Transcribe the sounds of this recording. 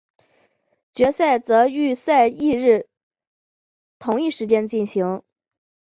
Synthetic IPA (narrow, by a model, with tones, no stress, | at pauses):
t͡ɕɥɛ˧˥sa˥˩ɪt͡sɤ˧˥y˥˧sa˥˧ɪi˥˧ɻ̩˥˩ | t̪ʰʊ˧˥ŋi˥˩ʂɻ̩˧˥t͡ɕjɛ˥nt͡ɕi˥˩nɕi˧˥ŋ